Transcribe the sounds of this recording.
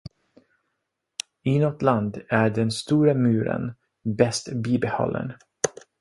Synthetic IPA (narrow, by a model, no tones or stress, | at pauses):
ɪnɔt̪land̪æɖɛnst̪uːɾəmʉːɾə̰n | bɛst̪biːbɛhɔ̰lːə̰n